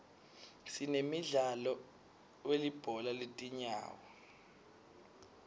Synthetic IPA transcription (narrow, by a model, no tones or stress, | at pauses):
sinemiɮalɔ | welib̥ʱɔlaletʼiɲa̰ːwɔ